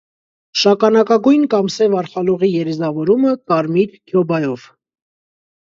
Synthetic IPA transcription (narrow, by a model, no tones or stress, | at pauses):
ʃɑkɑnɑkɑɡujnkɑmsɛvɑɾχɑluʁijɛɾɛzɑvɔɾuməkɑɾmiɾkʰjɔbɑjɔv̥